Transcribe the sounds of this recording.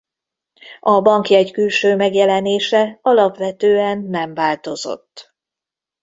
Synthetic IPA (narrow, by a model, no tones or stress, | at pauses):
ɒbɒŋkjɛckylʃøːmɛɡjɛlɛneːʃɛɒlɒpʋɛt̪øːɛnːɛmvaːlt̪o̞zo̞̰t̪ː